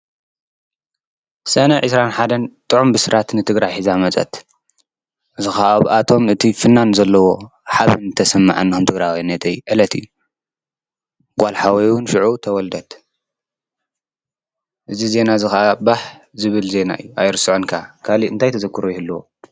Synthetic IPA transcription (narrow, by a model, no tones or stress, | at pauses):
sɐnɐʕɨsɾanħad̪ɐnt̪ʼɨʕumbɨsɨɾʔat̪nɨt̪ʰɨɡɾajħizamɐt͡sʼɐ̰t̪ | ʔɨzɨxaʔaʔat̪ʰo̞mɨt̪ʰifɨnːanzɐlːɐwo̞ħaβɨnt̪ʰɐsɐmːa̰ʕanːixomt̪ʰɨɡɾajwinːɐt̪ʰɐjuʔɨlɐt̪ʰɨju | ɡʷalħawɐjwʊnʃiʕut̪ʰɐwɔld̪ɐt̪ | ʔɨzize̞nazɨxɐʔabaħzɨβɨlze̞na̰ʔɨ̰jːuʔajɾɨsɨʕonkʰakʰaliɨnt̪ʰajt̪ʰɐzɐkʰːɨɾojɪhɨlːuwo̰